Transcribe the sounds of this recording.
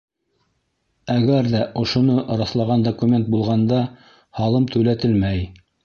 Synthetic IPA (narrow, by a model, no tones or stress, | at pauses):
æɡæɾðæʔŏʃŏnoʔɾɑslˠɑʁɑnd̪okumʲe̞nt̪̚bulˠʁɑnd̪ɑ | hɑlˠɤmt̪ʉlæt̪ɘlmæj